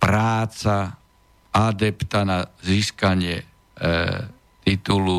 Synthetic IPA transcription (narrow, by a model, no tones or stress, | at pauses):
pɾaːt͡sa | ad̪ɛpt̪anaziːskaɲɪɛ | t̪it̪ulu